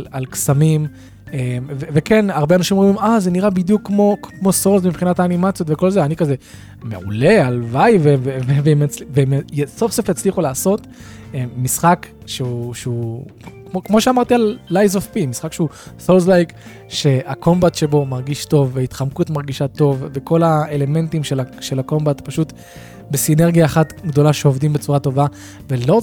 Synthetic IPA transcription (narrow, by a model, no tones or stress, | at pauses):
lalksamim | emvevekenaʁbeanaʃimoimazeniʁabid̪jukːmo̞mo̞solsmipχinataːnimat͡sjotveko̞lzeanikaze̞ | me̞ṵle̞alvajvevevevemat͡slivemjsofsefjat͡sliχulaːso̞t | eːisχak | ʃeuʃeukmokmoʃeamaʁt̪ialːajzofpimisχakʃeusolzlajk | ʃe̞ako̞mbatʃe̞bo̞maʁɡiʃto̞vːeaitχamkuetmaʁɡiʃato̞vːeko̞laele̞me̞ntimʃelaʃe̞lako̞mbatpaʃut | besineʁɡijaːχatɡdo̞laʃeovdimbet͡suʁato̞va | ve̞lo